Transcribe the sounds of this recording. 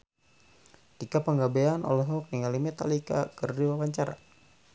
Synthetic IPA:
t̪ikapəŋɡabeanʔɔ̰lɛɦɔk̚niŋalimɛt̪a̰lika̰kərdiwawaɲt͡ʃaɾa̰

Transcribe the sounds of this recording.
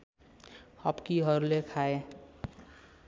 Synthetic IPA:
hʌbkiɦʌɾulekʰae

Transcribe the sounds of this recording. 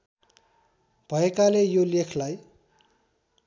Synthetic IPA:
b̥ʱʌekalejolekʰlaj

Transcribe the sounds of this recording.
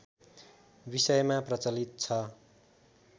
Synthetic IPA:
bisʌjmaprʌt͡sʌlit̪̚t͡sʰʌ

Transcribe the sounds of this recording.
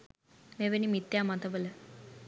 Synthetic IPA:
meʋenimit̪jamat̪əbələ

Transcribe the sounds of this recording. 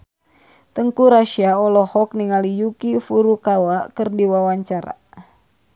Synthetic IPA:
t̪əŋkuɾaʃiaɔlɔhɔk̚niŋalijukifuɾukawakərdiwawaɲt͡ʃaɾa̰

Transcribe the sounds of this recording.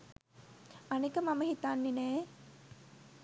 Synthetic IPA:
ɐnikɐmamɐɦit̪aːnːinɛː

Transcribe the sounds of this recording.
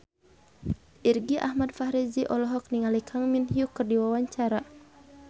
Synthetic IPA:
ʔirɡiʔa̰hmadfahɾiziʔɔlɔɦɔk̚niŋalikʰaŋminhiukɨrdiwawaɲt͡ʃaɾa

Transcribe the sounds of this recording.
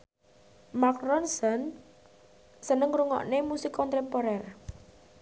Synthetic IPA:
makɾɔnsən | sənəŋɾuŋɔ̰ʔnemusikɔnt̪ɛmpɔɾɛr

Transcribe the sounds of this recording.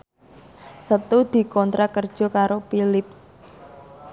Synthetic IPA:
sət̪ud̪̥i̤kɔnt̪ɾakərd̥ʒ̥ɔ̤kaɾopilɪps

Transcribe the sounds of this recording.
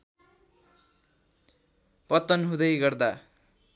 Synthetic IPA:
pʌt̪ːʌnɦũd̪ʌjɡʌrd̪a

